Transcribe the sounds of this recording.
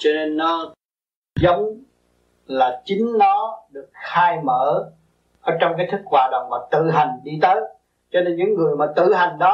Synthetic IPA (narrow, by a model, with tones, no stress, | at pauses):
t͡ɕɔ˧ne˧nːɔ˨˦ | zə˨˦wŋ͡m | laː˨˩t͡ɕï˨˦ŋ̟nɔ˨˦ɗɨ˨˩ək̚xaː˧jməː˧˩ | ʔəː˧˩t͡ɕɔ˧wŋ͡mkaː˨˦jt̪ʰɨ˦˥k̚kwaː˨˩ɗə̰˨˩wŋ͡mmaː˨˩t̪ɨ̰˧˨ɦa˨˩ŋ̟ɗi˧t̪əː˨˦j | t͡ɕɔ˧ne˧nɲɨ̰˧˥ŋːɨ˨˩əjmaː˨˩t̪ɨ̰˧˨ɦa˨˩jŋ̟ɗɔ˨˦